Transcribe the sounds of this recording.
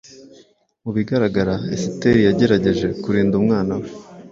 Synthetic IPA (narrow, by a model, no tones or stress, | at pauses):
muβiɡaɾaɡaɾaḛsiteɾijaɟe̞ɾaɟe̞ʒe̞kuɾiːndumŋaːnawe